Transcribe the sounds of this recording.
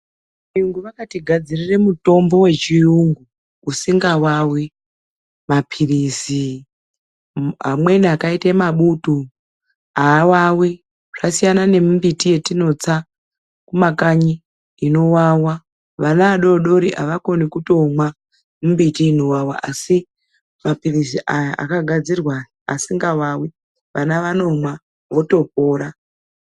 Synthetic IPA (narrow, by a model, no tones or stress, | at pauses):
iuŋɡuʋakatiɡʱad͡zirire̞muto̞mbo̞we̞t͡ʃiuŋɡu | usiŋɡawawe | mapʰirisi | ɦa̰mwe̞niakaitaemaɓutu | aːwawe | ʐ̥asijanane̞mumbitije̞tino̞t͡sa | kumakaɲiː | no̞wawa | ʋanaaɗo̞ɗo̞ɾiʔaʋako̞nikuto̞mwa | mumbitiːno̞wawaʔasi | mapirisiʔajaʔa̰kaɡʱad͡zirwa | a̰siŋɡawawe | ʋanaʋano̞mwa | ʋo̞to̞p̚oːɾa